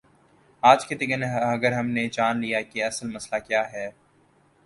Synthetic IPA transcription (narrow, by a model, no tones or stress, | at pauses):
aːd͡ʒked̪ɪɡənɐɡəɾɦɐmned͡ʒaːnlijakiɐsəlmɐslakjaːɦɛː